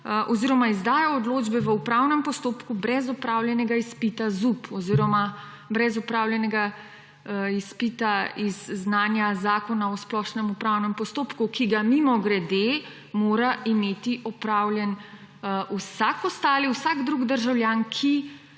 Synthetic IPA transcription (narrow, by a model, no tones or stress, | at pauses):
ʔɔziːɾɔmaizd̪aːjaɔd̪loːd͡ʒbɛʋəupɾawnɛmpɔst̪oːpkubɾɛzɔpɾawljɛnɛɡaispit̪azupɔziːɾɔma | bɾɛzupɾawlʲjɛnɛɡa | ispit̪aizːnaːnjazaːkɔnaɔsplɔʃnɛmupɾawnɛmpɔst̪oːpkukiɡamimɔɡɾɛd̪e | moːɾaʔimeːt̪iʔɔpɾawljɛn | usakɔst̪aːliwsaɡd̪ɾuɡd̪əɾʒawljaːnkʰi